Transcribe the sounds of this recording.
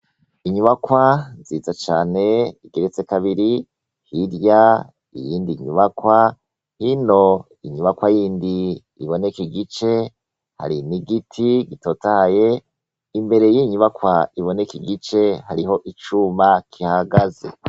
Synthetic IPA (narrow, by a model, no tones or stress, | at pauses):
iɲuβakwaziːzat͡ʃaːne̞iɡeɾet͡sekaβiɾi | hiɾja | ḭjiːndiɲuβakwa | hino̞ | iɲuβakwajiːndi | ḭβo̞nekiɡit͡ʃe̞ | ha̰ɾiniɡitʰiɡito̞ːtahaje | imbe̞ɾe̞jiɲuβakwaiβo̞nekiɡit͡ʃe̞haɾiɦo̞ʔit͡ʃumakʰihaɡaze̞̰